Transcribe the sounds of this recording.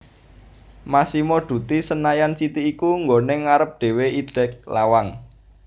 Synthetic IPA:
masimoɖ̪̥ṳt̪isənajant͡ʃit̪iːkuŋɡoneŋaɾəp̚ɖ̪̥e̤weid̥ɛ̤k̚la̰waŋ

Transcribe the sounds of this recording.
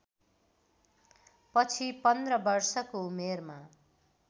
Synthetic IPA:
pʌt͡sʰipʌnd̪rʌbʌrsʌkoumerma

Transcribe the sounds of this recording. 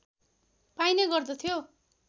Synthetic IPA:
pajnʌɡʌrd̪ʌt̪ʰjo

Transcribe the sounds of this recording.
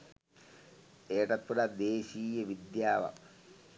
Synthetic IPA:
eːʈɐt̪puɾɐd̪eːɕiːjɐʋid̪jaːʋɐ̰

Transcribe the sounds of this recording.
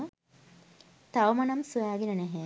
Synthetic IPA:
t̪awmanɐmsuaːɡinənɛɦɛ

